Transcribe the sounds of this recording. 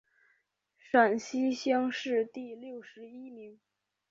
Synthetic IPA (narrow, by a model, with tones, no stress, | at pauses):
ʂa˨˩nɕi˥ɕjɑ˥ŋʂɻ̩˥˧t̪i˥˧ljo˥˩ʊʂɻ̩˧˥i˥mi˧˥ŋ